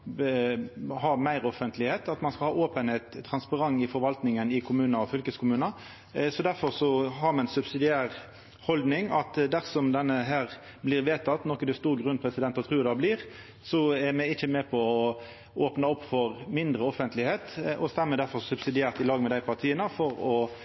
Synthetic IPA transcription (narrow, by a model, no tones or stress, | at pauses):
hɑːmæɪɾɔfənt̪ʰlɪheːt̪ɑt̪mɑnskɑhɑːʔoːpənhet̪ʰːʁɑnspɑʁɑŋːɪfɔɾʋɑlt̪nɪŋənɪkʰʊmʉːnɑɔfʏlkəskʰʊmʉːnə | sɔd̪æɾfɔɾsɔhɑɾmɛɛnsʉbsɪd̪ɪæːɾ | hɔld̪nɪŋɑt̪d̪æʁsɔmd̪ɛnːəɦæːɾ | blɪɾʋeːt̪ʰɑt̪nɔkːəd̪ɛst̪uːɾɡʁʉnpʰɾɛsɪd̪ɛnt̪ɑt̪ʰʁʉːd̪ɑbliːɾ | sɔɛɾmɛɪçːəmɛpʰɔɔ | oːpnɑɔpːfɔʁmɪnd̪ɾəɔfənt̪ʰlɪheːt̪ʔɔst̪ɛmːəd̪æɾfɔɾsʉbsɪd̪ɪæːʁt̪ɪlɑːɡmɛd̪æɪpʰɑʁt̪ʰiːənəfɔɾɔ